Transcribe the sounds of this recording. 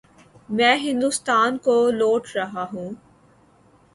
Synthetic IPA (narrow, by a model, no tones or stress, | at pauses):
mɛ̃ːɦɪ̃nd̪ʊst̪aːnkoloːʈʰɾɐɦaɦũː